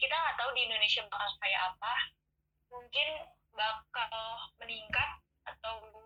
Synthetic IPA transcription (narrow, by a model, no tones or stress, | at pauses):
kit̪aːt̪awdiːndonesiabpakaskajaʔapa | muŋkɪn | bakalaməniŋkat̪̚ | at̪aw